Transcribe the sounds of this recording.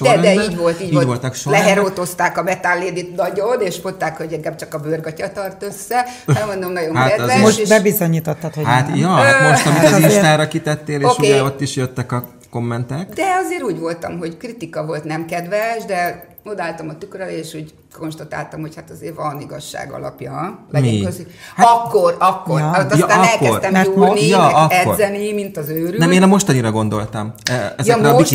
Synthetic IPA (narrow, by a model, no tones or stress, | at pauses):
od̪ɛd̪ɛiːɟʋo̞lt̪iːɟovo̞lt̪ɒkʃolɛɦɛɾoːt̪o̞st̪aːkɒmɛt̪alːeːd̪it̪nɒɟo̞neːʃfont̪ːaːkho̞ɟɛŋɡaːb̚t͡ʃɒkɒbørɡɒcɒt̪ɒrt̪ø̞sːɛɛɡmond̪omnɒɟo̞ŋaɛd̪ɛmʃʃeːbɛbizoɲiːt̪ot̪ːɒt̪hohat̪jɒhat̪monʃt̪ɒmiiʃt̪aːɾɒkit̪ɛt̪ːeːleːoʃkueɛot̪ːiʃjøt̪ːɛkɒ | ko̞mːɛnt̪ɛkd̪ɛɒzeːɾuːɟʋo̞lt̪ɒ̰mɦo̞ɟkrit̪ikɒvo̞lt̪nɛmkɛd̪ʋɛʃd̪ɛ | od̪aːlt̪ɒmɒt̪ykøɾɛleːʃuɟ | ko̞nʃt̪ɒt̪a̰ːlt̪ɒmho̞chat̪ɒzeːrvɒniɡɒʃːa̰ːɡɒ̰lɒ̰pjɒlɛmɛikøsihaɒkːorɒkːo̞raot̪ːɔjsaːɛlːɛsrt̪ɛmuːrnijɒɒkːɛorzːɛnimint̪ɒzøːɾynɛmeːnɒmo̞ʃt̪ɒniɾɒɡo̞nd̪o̞lt̪ɒmɛɛjɛɛʃ